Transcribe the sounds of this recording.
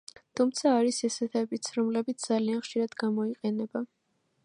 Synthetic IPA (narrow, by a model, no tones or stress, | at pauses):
t̪ʰumt̪sʰaːɾisɛsɛt̪ʰɛbit̪sʰɾɔmlɛbit̪sʰd̪zalianχʃiɾad̪ɡamɔiqʼɛnɛba